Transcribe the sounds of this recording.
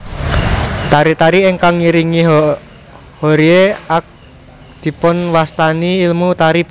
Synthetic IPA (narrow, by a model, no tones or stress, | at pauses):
t̪aɾit̪aɾieŋkaŋiɾiŋiɦ | hoɾieak̚ | d̪̥i̤pʊnwast̪aniːlmut̪aɾib̥